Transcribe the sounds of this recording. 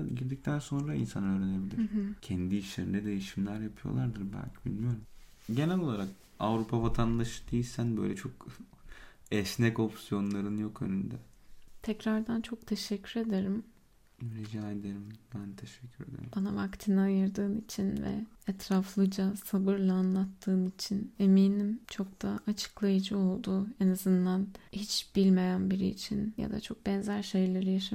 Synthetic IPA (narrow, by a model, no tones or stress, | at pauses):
ɟiɾd̪ic̚t̪ʰænso̞nɾaḭnsanɯøːɾenebilʲiɾcʰɛnd̪iiʃlʲeɾind̪ɛd̪e̞jiʃimlʲæɾjapʰɯjo̞̰lˠaɾd̪ɯɾbæ̰lʲcʰibḭlʲmijo̞ɾum | ɟe̞nælʲo̞lˠaɾak | avɾupʰavat̪ʰand̪aʃɯ̥d̪ejilʲsænbø̰lʲɛt͡ʃʰo̞k | ɛʃnɛko̞psijo̞nlˠaɾɯnjo̞kø̰nynd̪ɛ | t̪ʰɛcɾaɾd̪ant͡ʃʰo̞kt̪ʰeʃɛcʰːyɾe̞d̪eɾim | ɾid͡ʒaːed̪eɾimbænt̪ʰeʃɛ̥cʰːyɾed̪ḛɾb̥anavakt̪ʰɯnaajɯɾd̪ɯːnit͡ʃʰinvɛ̰ɛt̪ɾaflˠɯd͡ʒasabɯɾlˠaːnlˠat̪ʰːɯːnit͡ʃʰine̞miːnimt͡ʃʰo̞k̚t̪ʰaːt͡ʃʰɯ̥klˠajɯd͡ʒɯo̞lˠd̪uːenazɯnd̪anhit͡ʃb̥ilʲme̞jænbiɾḭːt͡ʃʰinja̰d̪a̰t͡ʃʰo̞k̚bɛnzæɾʃe̞jlʲe̞ɾijaʃa